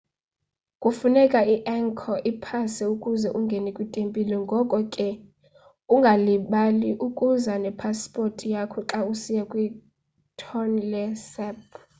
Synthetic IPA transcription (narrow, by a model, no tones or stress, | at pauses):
kʼufunɛkʼaiʔɛŋkʰɔʔipʰasɛukʼuzɛʔuŋɡʱɛnɛkʼwitʼempʼilɛŋɡʱɔkʼɔkʼɛ | uŋɡʱaliɓaliʔukʼuzanɛpʰaspʼortʼijakʰɔǁausijakʼwi | tʰɔnlɛsɛp̚